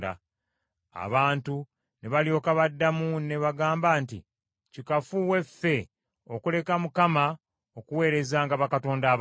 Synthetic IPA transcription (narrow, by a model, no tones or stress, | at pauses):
da̰ | a̰βaːntu | neβaljo̞kaβadːamune̞βaɡaːmbaːntḭ | cikafuwe̞fe̞ | okule̞kamukama | okuwe̞ːɾe̞zaːŋɡaβakato̞ːndaːβ